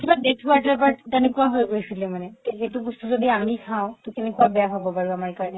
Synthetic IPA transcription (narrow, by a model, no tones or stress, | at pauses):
tʰibadeʈkuwaɹʈapaɹtenekuaɦojɡoesilɛmanɛt̪eɦeʈubust̪uzod̪iamikʰãw̃t̪ɔkenekuabɛjaɦabɔpaɹuamaɹkaɹɔne